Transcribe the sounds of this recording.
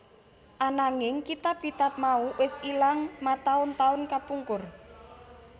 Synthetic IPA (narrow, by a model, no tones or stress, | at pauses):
ʔanaŋɪŋkit̪ap̚kit̪ap̚mauwʔɪsilaŋmat̪aʊnt̪aʊnkapuŋkʊr